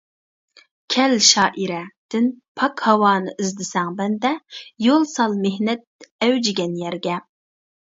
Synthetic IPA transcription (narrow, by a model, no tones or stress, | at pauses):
kʲʰɛlʃɑːʔiɾɛd̪̥ɪnpʰɑkhɑwɑːnɨʔizd̪ɪsɛŋbɛnd̪ɛjolˠsɑlˠmehnɛt̪̚ɛwd͡ʒɪɡʲɛnjɛɾɡʲɛ